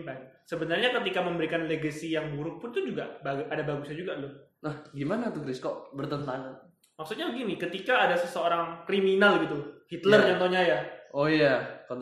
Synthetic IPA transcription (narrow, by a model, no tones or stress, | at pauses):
bansəbənarɲakət̪̬ikaməmbəɾikanleɡəsijaŋbuɾʊk̚pʊnt̪ud͡ʒuɡabaʔadabaɡusad͡ʒuɡaloh | nahɡimanat̪ukɾiskɔʔbərt̪ənt̪aŋa | maksut̪̚ɲabəɡinikət̪ikaːdasəsəoɾaŋkɾiminalɡit̪uhit̪lərt͡ʃɔnt̪oɲajaojakɔ